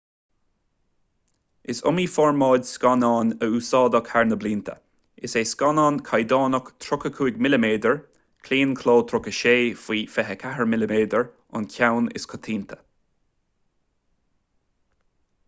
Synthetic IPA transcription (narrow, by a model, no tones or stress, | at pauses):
ʔɪsʊ̰miːfɔɹmɑːdʲskɑnɑːnəuːsɑːd̪əkhaɹnəbliːnt̪ʰə̰ | ʔɪseːskɑnɑːnkʰajd̪ɑːnəkt̪ʰɾʊkəkʰuːɡmɪləmeːd̪əɹ | kʰliːnkʰloːt̪ʰɾʊkəʃeːfiːfɛɦəkʰaɦəɹmɪləmeːd̪əɹ | ʊ̰nkʲʰawnɪ̰skʰɔt̪ʰiːnt̪ʰə̥